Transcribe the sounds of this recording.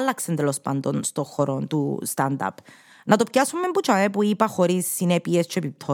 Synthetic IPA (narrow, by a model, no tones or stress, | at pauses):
lːaksent̪ɛlospand̪onst̪oxoɾont̪ṵst̪and̪a̰p | nʔɐt̪opkasumːembut͡ʃaepuipaxoɾisːinɛpiest͡ʃʰepip̚t̪ʰo